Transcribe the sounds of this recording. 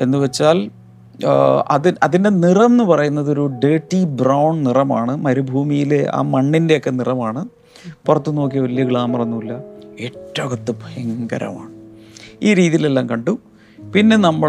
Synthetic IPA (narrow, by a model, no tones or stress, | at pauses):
enːɨʋet͡ɕːaːl | ɐ̰ðiɐðinde̞nirɐnːɨpɐrɐjunːɐðo̞ɾuɖe̞ːʈːibrɐwɳnirɐmaːɳɨmɐɾubʱuːmijile̞ʔa̰ːmɐɳːinde̞o̞kːe̞nirɐmaːɳɨ | purɐt̪ːuno̞ːk̬ːiʋɐlijɐɡɭaːmɐrɐnːuilːɐeːʈːɐkɐt̪ːɨbʱɐjɐŋɡɐ̰ɾɐ̰ma̰ːɳɨiːɾiːðijile̞lːaːmkɐɳɖu | pinːe̞nɐmːɨ